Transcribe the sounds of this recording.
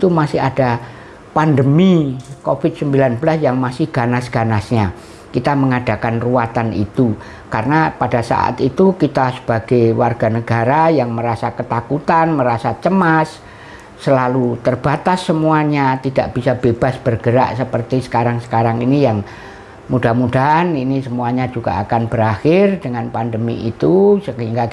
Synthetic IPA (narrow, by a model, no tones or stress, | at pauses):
it̪umasɪɦada | pandəmikofɪt̪̚səmbilanbəlasjaŋmasɪhɡ̥anasɡ̥anasɲa | kit̪aməŋad̥a̤kanruat̪anḭt̪u | karənapadasa̰ʔa̰t̪it̪ukit̪asə̥b̥aɡ̥ajwarɡ̥anəɡ̥aɾajaŋməɾasakət̪akut̪anməɾasat͡ʃəmasː | əlalut̪ərb̥at̪asːəmuaɲat̪idaʔb̥isab̥eb̥asb̥ərɡ̥əɾa̰ʔsəpərt̪isə̥kaɾaŋsə̥kaɾaŋinijaŋ | mudamudaaninisəmuaɲad͡ʒuɡ̥a̰akanbəɾaxɪrdəŋanpandəmḭʔit̪usəhiŋɡa